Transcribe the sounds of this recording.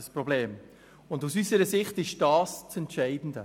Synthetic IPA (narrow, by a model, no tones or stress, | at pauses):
əsprobleːm | ʊndusysəɾəsɪχtɪʃd̥ɑːst͡sɛntʃæɪdn̩də